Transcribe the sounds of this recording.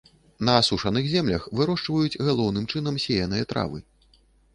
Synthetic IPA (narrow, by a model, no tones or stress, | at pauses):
nɐːsuʂɐnɨxzʲɛmlʲɐxvɨɾɔʂt͡ʂvɐjut͡sʲɣalˠɔwnɨmt͡ʂɨn̪ɐmsʲɛjɐnɨjɐt̪ɾa̰vɨ̰